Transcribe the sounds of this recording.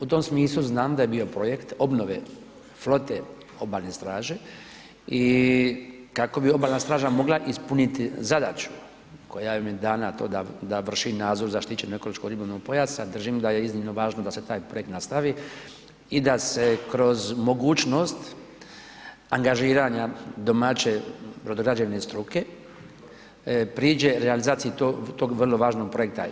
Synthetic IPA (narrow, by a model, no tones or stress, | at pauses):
ut̪o̞msmiːslˠuznaːmd̪ajebio̞pɾo̞je̞kt̪o̞bno̞ʋe̞ | flo̞t̪e̞ | o̞baːlnest̪ɾaːʒe | i | kako̞bio̞baːlnast̪ɾaːʒamo̞ɡlaʔispunit̪izad̪aːt͡ʃu̥ | ko̞jajomjed̪aːnat̪oːd̪ad̪aʋr̩ʃinaːd̪zo̞ɾzaʃt̪it͡ʃe̞noe̞ko̞lo̞ʃkoɡɾibolnoɡ̚po̞jasad̪r̩ʒimd̪aje̞iznimno̞ʋaːʒnod̪ase̞t̪aːjpɾo̞je̞kt̪nast̪aʋi | id̪asekɾo̞zmo̞ɡuːt͡ʃno̞st̪ | aŋɡaʒiːɾaɲad̪o̞mat͡ɕe̞pɾod̪oɡɾad͡ʒeʋnest̪ɾuke̞ | pɾiːd͡ʒe̞ɾealizaːt̪sijit̪ot̪oɡʋr̩lo̞ʋaːʒno̞ɡ̚pɾojekt̪a̰